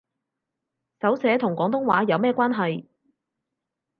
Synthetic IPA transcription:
sɐ˨˥wsɛː˨˥t̪ʰʊ˨˩ŋkʷwɔː˨˥ŋt̪ʊ˥ŋwa̰ː˨˥jɐ˨˧wmɛː˥˧kʷwʷaː˥nɦɐ˨j

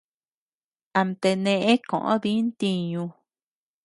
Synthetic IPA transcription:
a˨mt̪e˧nẽ˧ʔẽ˦kõ̰˨ʔõ̰˦ðĩ˦nt̪i˧ɲũ˧

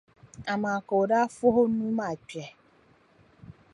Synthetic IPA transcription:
a˨mã˨ko˨ɖa˦fo˦ɦo˦nũ˦mã˦˨t͡ʃi˨ɛ˨

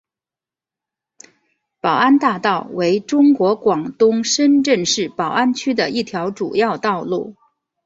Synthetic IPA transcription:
pɑ˨˩ʊa˥nt̪a˥˧t̪ɑ˥˩ʊwe˧˥ɪʈ͡ʂʊ˥ŋkwɔ˧˥kwɑ˨˩ŋt̪ʊ˥ŋʂə˥nʈ͡ʂə˥˧nʂɻ̩˥˩pɑ˨˩ʊʔa˥nt͡ɕʰy˥d̪ə˨i˥˩t̪ʰjɑ˧˥ʊʈ͡ʂṵ˨˩jɑ˥˧ʊt̪ɑ˥˧ʊlṵ˥˩

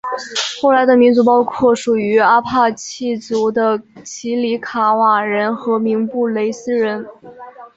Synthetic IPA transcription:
xo˥˩ʊla˧˥ɪd̪ə˧mi˧˥nt͡su˧˥pɑ˥ʊkʰwɔ˥˩ʂu˨˩y˧˥a˥pʰa˥˧t͡ɕʰi˥˩t͡su˧˥d̪ə˧t͡ɕʰi˧˥li˧˥kʰa˧˩wa˨˩ɻə˧˥nxɤ˧˥mi˧˥ŋpu˥˩le˧˥ɪsɹ̩˥ɻə˧˥n

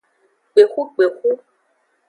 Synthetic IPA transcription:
k͡pe˨xu˦k͡pe˨xu˦

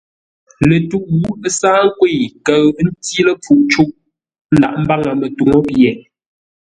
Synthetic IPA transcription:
le˨tu˦ʔwu˦ə˦saː˦ŋ˦kwe˦˨kə˨ɣn̩˦tji˦lə˦p͡fu˦ʔt͡ʃu˦ʔ | n̩˦da̰˨ʔm̩˦ba˦ŋa˨mə˨tu˨ŋo˦pjɛ˨

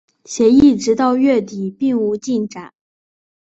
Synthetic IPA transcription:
ɕjɛ˧˥i˥˩ʈ͡ʂɻ̩˧˥t̪ɑ˥˧ʊɥɛ˥˩t̪i˨˩pi˥˩ŋu˧˥t͡ɕi˥˩nʈ͡ʂa˨˩˦n

